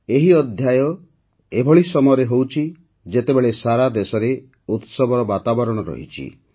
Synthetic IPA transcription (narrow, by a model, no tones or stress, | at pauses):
eɦiɔd̪ʱjajɔ | ebʱɔɭisɔmɔjɔɾeɦowt͡ʃʰi | d͡ʒet̪ebeɭesaɾad̪esɔɾe | ut̪sɔbʱɔɾɔbat̪abɔɾɔɽ̃ɔɾɔ̰ɦḭt͡ʃʰḭ